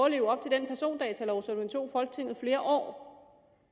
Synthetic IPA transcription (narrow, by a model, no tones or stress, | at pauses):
le̝ːʊɐɒ̽b̥̚t͡sʰe̝ld̥enpʰæɐso̝̰ːnd̥ɛ̰ːt͡sʰælɒʊsɒd̥uent͡sʰo̝̰ːfɒ̽lɡ̥ət͡sʰe̝ŋ̰ð̩ˠfle̝ːɐʔɒ̰ː